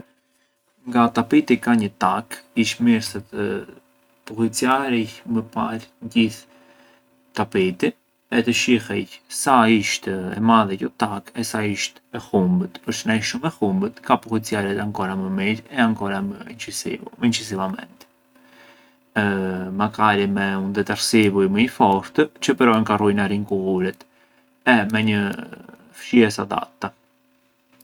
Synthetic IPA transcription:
ŋɡat̪apit̪ikaɲət̪akiʃmiɾsət̪ə | puhit͡siaɾicməpaɾɟiθ | t̪apit̪i | ɛt̪əʃihɛçsaiʃt̪ɛmaðɛcɔt̪akɛsaiʃt̪ɛhumbət̪pəɾʃnajʃumɛhumbət̪kapɔkit͡siaɾɛt̪aŋkɔɾaməmiɾɛaŋkɔɾaməint͡ʃiməint͡ʃis̬ivamɛ̰nt̪ | makaɾimɛund̪ɛt̪aɾsivujməifɔɾt̪ət͡ʃəpəɾɔɛnŋkarujnaɾinkuvuɾɛt̪ | ɛmɛɲə | fʃiɛsa̰d̪a̰t̪ːa

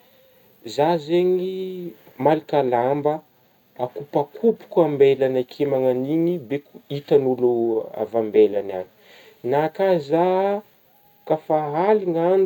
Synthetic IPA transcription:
zazeɲi | malikalambə | akupakʰupu̥kuambelanakʰemaŋaniɲibekuit̪anulua̰vambelana̰ni̥ | nakaza | kafaɦaliŋan

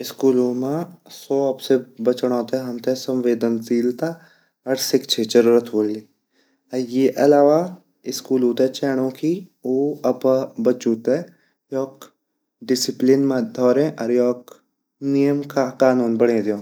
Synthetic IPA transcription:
ɪskuːlõːmãsɔːɐpsebɐt͡ʃɽ̃ɔ̃ːt̪eɦɐmt̪esɐ̃mʋeːd̪ənziːlt̪a | ɐɾsɪkt͡ʃʰet͡ʃəɾuːɾət̪ʰɦoːli | jeːʔɐlaːʋa | ɪskuːluːt̪et͡ʃɛːɽ̃õːkʰioːɐpabɐt͡ʃuːt̪e | jɔːk | ɖɪsɪplɪnmãd̪ʱɔːɾẽʔɐɾjɔːk | nijəmkakaːnuːnbɐɽẽːd̪jõː

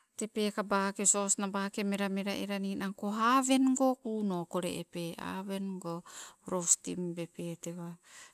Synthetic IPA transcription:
te̞pekabakesosnabakemeɾameɾaʔeɾaninaŋkoɦave̞nɡokunokoɾḛʔepea̰βenɡoɾostḭmbepeteβa

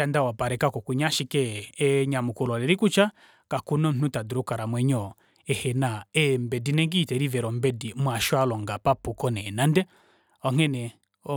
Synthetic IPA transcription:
andawapaɾɛkakɔkuɲaʃikɛɛɲamukulalɛɾikut͡ʃa | kakunɔn̩n̥utaduɾukaɾamwɛɲɔ | ɛhɛnaɛmbɛdinɛŋɡitɛɾivɛɾɔmbɛdimwaʃwalɔŋɡapapukɔnɛnandɛ | ɔŋ̥ɛnɛ | ɔ

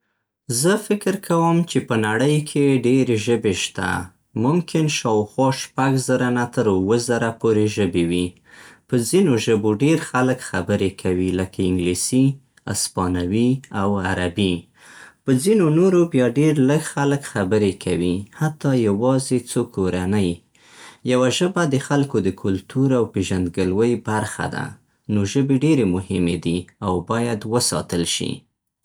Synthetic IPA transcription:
zəfɪkɪɾkʰawəmt͡ʃepənaɽəjkʰeɖeɾeʒəbeʃt̪a̰ | mʊmkʰɪnʃɑwxwɑʃpaɡzəɾanat̪əɾwəzaɾapoɾeʒəbewi | pəzinoʒəboɖeɾxaləkxabəɾekʰawiləkʰaɪŋɡlisi | a̰spɑnawiawaɾabi | pəzinonoɾobjɑɖeɾləɡxaləkxabəɾekʰawihat̪ːɑjawɑzet͡sokʰoɾanəj | jawaʒəbad̪əxalkod̪əkʰʊlt̪uɾawpeʒand̪ɡəlwəjbaɾxa̰d̪a̰ | noʒəbeɖeɾemʊhɪmed̪iawbɑjad̪wəsɑ̰t̪əlʃḭ

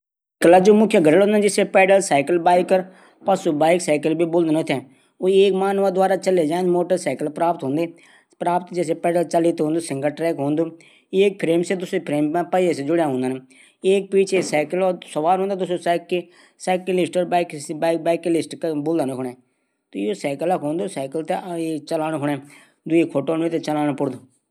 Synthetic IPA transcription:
kəlaːd͡ʒoːmʊkʰːjaːɡəɽəlɦõːnd̪ad͡ʒɪsepɛːɖəlsaːɪkəlbaːɪkəɾ | pəsuːbaːɪksaːɪkəlbiːbʊːld̪nõːt̪ʰɛ̃ː | oːeːkmaːnʋaːd̪ʊaːɾaːt͡ʃəleːd͡ʒãːnmoːʈəɾsaːkəlpɾaːpt̪ɦõːnd̪eː | pɾaːpət̪d͡ʒɪseːpɛːɖəlt͡ʃəliːt̪ɦõːnd̪uːsɪŋɡəʈɾɛːkɦõːnd̪uː | eːk̚pʰɾeːmseːd̪ʊseːpʰɾeːmpɛ̃ːpəiesed͡ʒʊɽejaːɦõːnd̪aːne | eːk̚piːt͡ʃʰesɛːkəlːsəʋaːlɦõːnd̪aːd̪ʊsoːsk | sɛːkilɪsʈəɾbkːbɛːklɪsʈkbʊld̪aːnokʰːɳɛ̃ː | t̪oːoːsɛːkələkɦõːnd̪oːsɛːkəlt̪eeːt͡ʃəlaːnokʰʊɳɛː | d̪ʊiːkʰoːʈoːneːt̪et͡ʃəlaːñopʊɽd̪oː

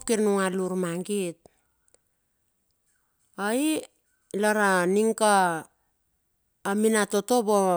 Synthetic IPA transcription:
pkiɾnuŋaluɾmaŋɡit̚ | ai | laɾaniŋka | minato̞to̞bo

